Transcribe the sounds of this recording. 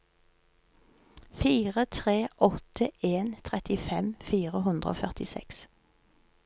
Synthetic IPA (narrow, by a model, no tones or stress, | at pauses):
fiːʁət̪ʰʁeːʔɔt̪əʔeːnt̪ʰʁɛt̪ɪfɛmfiːʁəɦʉnd̪ʁəo̰ːfœʁt̪ɪsɛ̰ks